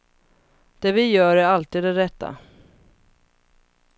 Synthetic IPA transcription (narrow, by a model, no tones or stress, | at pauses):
d̪̥ɛvɪjœːɾɛalt̪iːd̪ɛɾɛt̪ʰːa̰